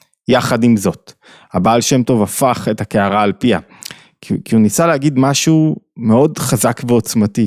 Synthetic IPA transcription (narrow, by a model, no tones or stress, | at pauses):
jaχadimzo̞t | habaːlʃe̞mto̞vafaχe̞thakeaʁaːlpia̰ | kikiunisalehaɡidmaʃume̞o̞dχazakveo̞t͡smati